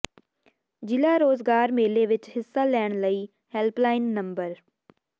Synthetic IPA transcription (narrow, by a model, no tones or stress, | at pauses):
d͡ʒɪlaːɾoːzɡaːɾmeːleːʋɪt͡ʃhɪsːaːlɛːɳ̃ləiː | hɛlplaːɪnːə̃mbəɾ